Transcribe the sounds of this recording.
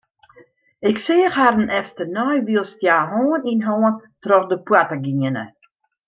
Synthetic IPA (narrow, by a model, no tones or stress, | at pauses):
ɪkseːəxhaɾən̩ʔɛftənɔjʋiəlˠstjaːɦoːəninɦoːəntrɔxdəpwatəɡiənə̰